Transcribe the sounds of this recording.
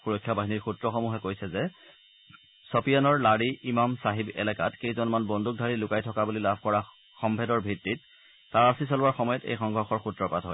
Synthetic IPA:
puɹɔkʰːjabaɦiniɹxutɹɔxɔmuɦɛkojsɛzɛ | sɔpijanɔɹlaɹiʔimamsaɦibɛ̰lɛkatkejzɔnmanbɔndʱuk̚dʱaɹilʊkajtʰɔkabulilabʱkɔɹa | xɔmbʱɛdɔɹbʱɹitːit̚ː | aɹasis̬ɔlʊwaɹxɔmɔjɔtḛjxɔŋɡʱɔɹxɔɹxutɹɔpatɦɔ̰j

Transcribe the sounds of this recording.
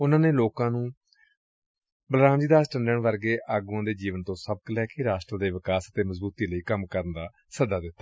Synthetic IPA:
ʊnãːneːloːkãːnũː | bəlɾaːmd͡ʒiːd̪aːsʈə̃ɳɖəɳʋəɾɡeːʔaːɡuãːd̪eːd͡ʒiːʋənt̪õːsəb̚klɛːkeːɾaːsʈɾəːd̪eːʋɪkaːsət̪eːməzbuːt̪iːləiːkəmkəɾnd̪aː | səd̪aːd̪ɪt̪ːaː

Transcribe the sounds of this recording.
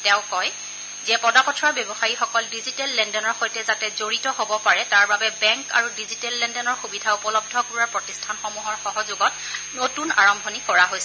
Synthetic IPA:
tɛ̃ʊ̃kɔj | zɛpɔdapɔtʰɹaɹbjɔbɔxaɹixɔkɔldizitɛlːɛndɔnɔɹxojtɛzatɛzoɹitɔɦobɔpaɹɛtaɹbabɛbɛŋka̰ɹudizitɛlːɛndɛnɔɹxubidʱaupɔlɔb̚dʱɔkuɹaɹpɹɔtistʰanxɔmuɦɔɹxɔɦɔzuɡɔt̚ | notuna̰ɹɔmbʱonikɔɹaɦojsɛ

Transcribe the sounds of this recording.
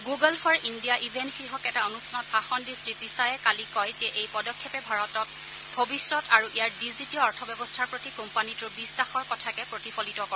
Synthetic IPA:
ɡuɡɔlfʰɔɹindijaʔibʱɛntxɹiɦɔkɛtaonustʰanɔt̚axɔndisɹipisajɛkalikɔjtɛʔejpɔdɔkʰːjɔpɛbʱaɹɔtɔt̚ | bʱobisɹɔtaɹuʔijaɹdizitiɔɔɹtʰɔbjɛbɔstʰaɹpɹotikɔmpanitʊɹbistaxɔɹkɔtʰakɛpɹotipʰɔlitɔkɔ

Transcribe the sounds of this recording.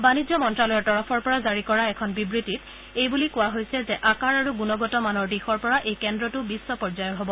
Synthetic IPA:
banid͡ʒzɔmɔntɹalɔjɔɹtɔɹɔpʰɔɹpɔɹazaɹikɔɹaɛkʰɔnbibɹitit | ejbulikʊwaɦojsɛzɛʔakaɹaɹuɡunɔɡɔtɔmanɔɹdixɔɹpɔɹaʔejkɛndɹɔtʊbisːɔpɔɹzajɔɦobɔ

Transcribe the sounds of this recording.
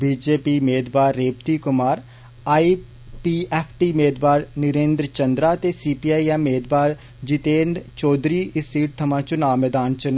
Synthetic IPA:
biːd͡ʒeːpimeːd̪baːɾːeːp̚t̪ikʊmaːɾ | aːi | pieːpʰʈimeːd̪baːɾnɪɾẽːnd̪ɾət͡ʃɐ̃nd̪ɾat̪esiːpijaːijameːd̪baːɾ | d͡ʒɪt̪eːɳɖt͡ʃɔːd̪ɾiɪsːiːʈ̚t̪ʰɐmãːt͡ʃʊnaːmɛd̪aːnt͡ʃʊn

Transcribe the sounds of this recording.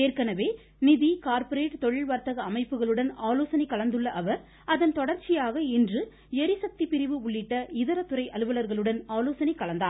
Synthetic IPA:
eːrkɐnɐʋeː | nɪðikaːɾpɐɾeːʈːt̪ɔɻɪɭʋaːɾt̪ɐɣɐːmɐɪpːɯɣɐɭɯɽɐnaːloːsɐnɪkːɐɭɐnd̪ɯɭːɐʔɐʋɐɾ | ɐðɐnt̪ɔɽɐɾt͡ʃɪjaːɣɐɪndrɯ | ɛɾɪsɐk̚t̪ipɪɾɪʋɯʊɭːɪʈːɐɪðɐɾɐt̪ːɯɾɐɪʔɐlɯʋɐlɐɾɣɐɭɯɽɐnaːloːsɐnɪkːɐɭɐnd̪aː

